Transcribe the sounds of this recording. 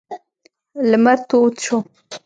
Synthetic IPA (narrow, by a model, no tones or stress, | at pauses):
ləmaɾt̪ot͡ʃo